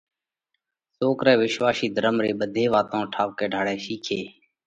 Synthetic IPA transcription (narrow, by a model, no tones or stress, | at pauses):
soːkɾɛːʋɪʃʋaːʃiːd̪ʱəɾəmɾeːɓəd̪ʱeːʋaːt̪õːʈʰaːʋkeːɖʱaːɽɛːʃiːkʰeː